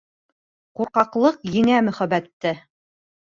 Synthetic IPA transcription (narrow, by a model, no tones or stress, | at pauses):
quɾqɑqlˠɤqjɘ̆ŋæmɵ̆χæbæt̪ːɘ